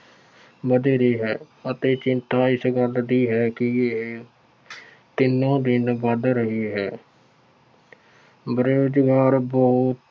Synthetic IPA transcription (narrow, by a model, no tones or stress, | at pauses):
bəd̪eːɾiːɦɛː | ət̪eːt͡ʃɪnt̪aːɪsɡəld̪iːɦɛːkɪeɦ | t̪ɪnːõːd̪ɪnʋəd̪ɾəɦiːɦɛː | bɾjoːd͡ʒɡaːɾbɔːt̪